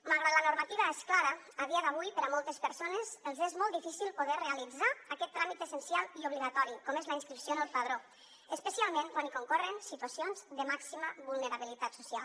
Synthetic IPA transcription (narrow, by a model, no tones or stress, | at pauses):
məlˠɣɾad̪lanuɾmat̪iβaesklaɾə | aðiaðaβujpəɾamɔlˠt̪espəɾsonezəlˠzezmɔlˠt̪ifisilˠpoðɛrealid͡zaakɛt̪ːɾamit̪əsənsialˠiuβliɣat̪ɔɾikɔmezlainskɾipsjoðəlˠpað̞ɾo | əspəsialˠmẽŋkwanikoŋkɔrənsit̪uasionzd̪əmaksiməβulˠnəɾaβilit̪at̪su̥sialˠ